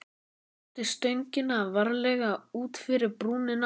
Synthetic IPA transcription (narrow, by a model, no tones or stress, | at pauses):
t̪ɪst̪œɥɲcɪnːaːvaɾlɛɣauːt̪fɪɾɪɾpɾuːnɪna